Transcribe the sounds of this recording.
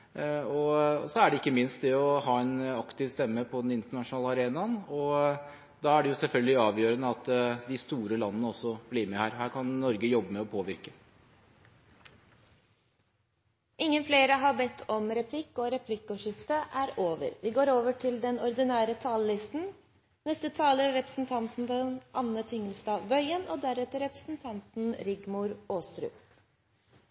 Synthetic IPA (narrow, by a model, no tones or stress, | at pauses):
ɔsɔæɖɛɪkːəmɪnst̪d̪ɛɔɦɑːɛnɑkt̪ɪʋst̪ɛmːəpʰɔd̪ɛnɪnt̪əɳɑʂʊnɑːləɑɾeːnɑnɔ | d̪ɑæɖɛjʊsɛlfœlɡəlɪɑːʋjøːɾənəɑt̪d̪ɪst̪uːɾəlɑnəːəɔsɔbliːɾmɛhæːɾhæːɾkʰɑnnɔɾɡəjɔbːəmɛɔpʰoːʋɪɾkə | ʔɪŋːənfleːɾəɦɑbɛt̪ʰːɔmɾɛpʰlɪkːɔːɾɛpʰlɪkːɔʂɪft̪əʔæːɾoːʋə̰ɾʋɪɡoːɾoːʋəʈʰɪld̪ɛnɔɾd̪ɪnæːɾət̪ʰɑːllɪst̪n̩ | nɛst̪ət̪ʰɑːləɾɾɛpɾəsn̩t̪ʰɑnt̪n̩d̪ɛnʔɑnːət̪ʰɪŋəlst̪ɑːʋœʏənʔoːd̪æɾɛt̪əɾɛpɾə̥sn̩t̪ʰɑnt̪n̩ɾɪɡmʊɾoːsɾʉ̰ː